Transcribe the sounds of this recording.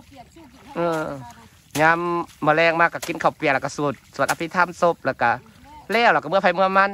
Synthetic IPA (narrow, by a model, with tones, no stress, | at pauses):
ʔɤː˧˩ | ɲaː˧˥mːɯ˧˩˦lɛː˧˩ŋmaː˧˩kːa˧˩ki˧˨nkʰa˨˩wpi˨lka˧˩su˧˩˦t̪̚su˨˩ət̪ʔa˧p̪ʰi˧t̪ʰa˧˥˨mso˧˥p̚laː˧˩ka˧˩ | lɛː˧˩˨wla˧˩ka˧˩mɯ˧˥˨pʰa˧˩jmɯ˧ɐma˧˥˨n